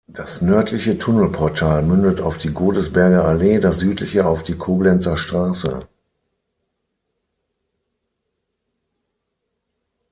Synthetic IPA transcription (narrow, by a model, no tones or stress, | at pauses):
d̥asnœɐtʰlɪçətʰʊnl̩pʰɔɐtʰaːlmʏndətaʊfd̥iːɡoːdəsb̥ɛɐɡɐaleːdasz̥yːtlɪçəaʊfd̥iːkʰoːblɛnt͡sɐʃtʁ̥aːsə̰